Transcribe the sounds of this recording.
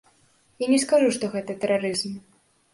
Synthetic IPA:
janʲɛskaʐuʂt̪ɔɣɛt̪ɐt̪ɛɾaɾɨzm

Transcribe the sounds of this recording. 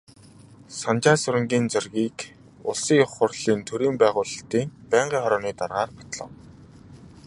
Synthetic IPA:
sant͡ɕaːsʊɾə̆ŋɡʲiːnt͡sʊrɣiːk | ʊ̰ɮsiːŋʊχʊrɮiːnt̪ʰɵɾiːmpæːʁʊːɮə̆ɬt̪iːŋpæːɴɢiːŋχɔɾɔːniːt̪arʁaːrpḁt̪ɮɞ̆w

